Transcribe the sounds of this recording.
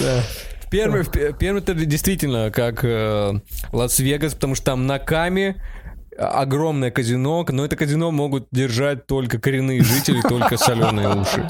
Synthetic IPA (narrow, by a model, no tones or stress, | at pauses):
d̪afʲpʲervɨfʲpʲfʲpʲervmʲəɛt̪ədʲɪjst̪vʲitʲɪlʲnəkak | lˠɐsvʲeɡəspət̪ɐmuʂt̪o̥t̪amnɐkamʲɪ | ɐ̰ɡro̞mnɨjəkəzʲɪno̞kno̞ɛt̪əkəzʲɪno̞mo̞ɡʊt̪̚dʲɪrʐat̚ʲt̪o̞lʲkəkəɾʲɪnːɨjəʐɨtʲɪlʲɪt̪o̞lʲkəsɐlʲo̞nːɨjəuʂɨ̰